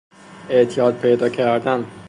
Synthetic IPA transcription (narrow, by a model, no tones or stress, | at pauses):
eʔt̪ʰijɒːd̪̚pʰe̞jd̪ɒːcʰæɾd̪æn